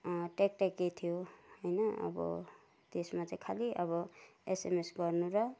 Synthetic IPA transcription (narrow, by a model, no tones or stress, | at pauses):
ʈek̚ʈekːet̪ʰijohojnʌʌ̰bʌ̰ | t̪esmat͡sãj̃kʰaliʔʌβʌesemesɡʌrnuɾʌ